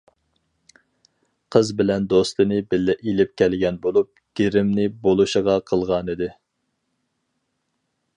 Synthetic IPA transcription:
qʰəzbɪlɛnd̪ost̪lˠɨnɨbɪlːɪʔilɪp̚kʲʰɛlɡʲɛnbolˠup̚ɡ̥ʲeɾɪmnɪbolˠuʃəʁɑqʰəlˠʁɑnɨd̪ɪ

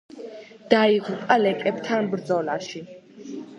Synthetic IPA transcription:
d̪̥aiʁupʼalɛkʼɛbt̪ʰanbɾd̪zɔlaʃi

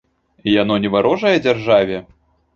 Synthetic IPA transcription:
ijanɔnʲɛvaɾɔʐɐjɛd͡zʲarʐavʲɛ

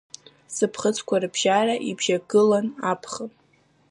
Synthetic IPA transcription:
sɨpʰχət͡sʰkʷʰarɨbʒaraʔibʒaɡɨlanapʰχən

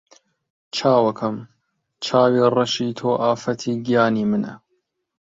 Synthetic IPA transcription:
t͡ʃʰaːwɐkʰɐm | t͡ʃʰaːwiːrˤɐʃiːt̪ʰoːʔaːfɐt̪ʰiːɡijaːniːmɨnɐ̰

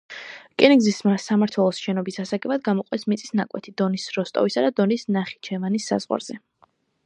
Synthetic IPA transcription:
kʼɛniɡzismasamaɾt̪ʰwɛlˠɔsʃɛnɔbisasaɡʼɛbad̪ɡamɔqʼwɛsmit̪sʼisnakʼwɛt̪ʰid̪ɔnisɾɔst̪ʼɔ̰visad̪ad̪ɔnisnaχi̥t͡ʃʰɛvanisːa̰z̥ʁwa̰ɾz̥ɛ

